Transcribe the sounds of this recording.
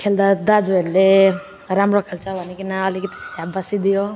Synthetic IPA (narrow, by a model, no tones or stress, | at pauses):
kʰeld̪ad̪ad͡zuelːe | ɾamɾokʰelt͡ʃabʱanikinaʌlikit̪i̥sabbasid̪ijo